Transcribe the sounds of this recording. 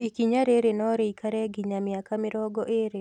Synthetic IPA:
ikiɲaɾeɾenɔɾekaɾɛɡɪɲamjakamɪɾɔɡɔʔeɾe

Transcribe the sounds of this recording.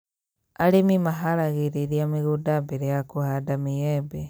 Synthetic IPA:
alimimaɦaɾaɣiɾiɾjamiɣudabeɾejakuhadamijebe

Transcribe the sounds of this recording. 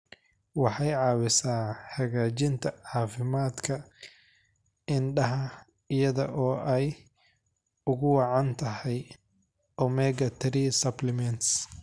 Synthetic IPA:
wɑħɑjʕɑːwɪsaːħɐɣaːt͡ʃɪnt̪ʰɐʕɑːfɪmaːd̪kʰɐ | ɪnɖɐɦɐ | ɪjɐðɔʔɔːʔɛj | ʊɣʊwɑʕɑnt̪ʰɐɦɛj | ɔmɛɡɐt̪ʰɛɾisɐblɪmɛnt̪s

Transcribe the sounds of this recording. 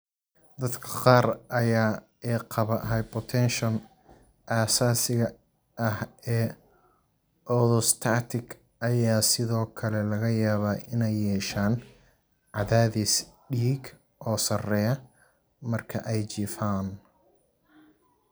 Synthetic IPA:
d̪ɐd̪kʰɐ̥qɑːrʔɐjaː | ɛːqʰɑβɐʔɦɐjpʰɔt̪ʰɛnʃɔn | ʔaːsaːsɪɣɐ | ɐhɛː | ʔɔðɔst̪ʰaːt̪ʰɪk | ʔɐjaːsɪðɔːkʰɐlɛlɐɣɐjaːβaːʔɪnɛjːɛːʃaːn | ʕɑðaːðisɖiːɡ | ʔɔːsɐrɛːjɐ | mɐrkʰɐʔɛjt͡ʃiːfaːn

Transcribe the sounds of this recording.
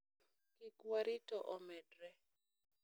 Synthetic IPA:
kikwaɾitɔʔɔmɛdɾɛ

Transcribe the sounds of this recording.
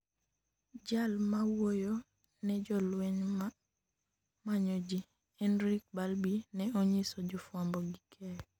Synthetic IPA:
d͡ʒalmawojo | nɛd͡ʒɔlwɛɲ | maɲɔd͡ʒi | ɛnɾik̚balbinɛɔɲisɔd͡ʒʊfwambɔɡikʰɛj

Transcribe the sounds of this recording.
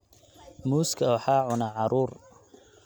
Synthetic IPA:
muːskʰɐɔħaːʕʊnɐʕɑɾuːr

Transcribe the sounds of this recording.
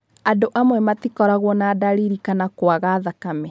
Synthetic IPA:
adoʔamwɛmatikɔɾaɣwɔnadaɾiɾikanakwaɣaðakamɛ

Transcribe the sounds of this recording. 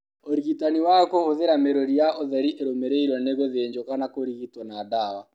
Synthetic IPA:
oɾiɣitaniwakohoðeɾameɾoɾijaʔoðɛɾiʔeɾomeɾeiɾwɔneɣoðeːɲd͡ʒokanakoɾiɣitwanaːdawa

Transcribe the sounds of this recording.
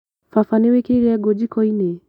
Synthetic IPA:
fafaniwekiɾiaɡɔd͡ʒikɔine

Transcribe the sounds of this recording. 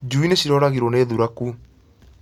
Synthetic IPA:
d͡ʒuineɕiɾɔɾaɣiɾoneːðuɾaku

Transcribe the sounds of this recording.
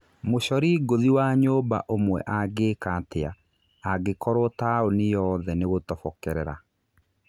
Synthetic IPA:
moɕɔɾiɡoðiwaɲoːba̰ʔomwɛ̰ʔaɡeːkatea | aɡekɔɾɔtaonijɔðɛneɣotɔfɔkɛɾɛɾa̰

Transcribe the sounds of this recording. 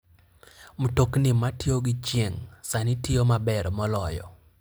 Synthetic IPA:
mutoknɪmatioɡɪt͡ʃjeŋsanɪtɪomabɛɾmɔlɔjɔ̰

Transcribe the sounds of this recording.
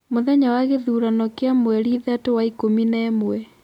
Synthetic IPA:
moðɛɲawaɣeðuːɾanɔkeamwɛɾiðatowaikominɛːmwɛ

